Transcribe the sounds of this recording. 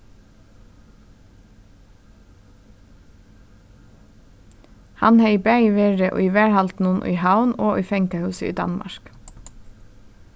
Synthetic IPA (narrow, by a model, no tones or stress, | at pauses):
hɑ̰nheiːbæiːʋeːɹəʔo̰ːiːʋæːɹhɑlt̪n̩ʊnʔy̰ːhɑʊnoːʔyːfɛŋkɑhʉːsəḭːd̪ɑ̰nmɑ̰ʃk